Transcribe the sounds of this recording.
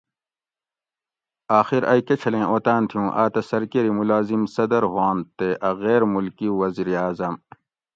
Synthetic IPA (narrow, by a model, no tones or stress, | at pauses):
aːxiɾɐikɐt͡ɕʰɐlẽːʔoːt̪aːnt̪ʰijũːʔaːt̪ɐsɐɾkeɾimulaːzimsɐd̪ɐɾɦwaːnt̪eʔɐɣeːɾmulkiwɐziːɾiaːzɐm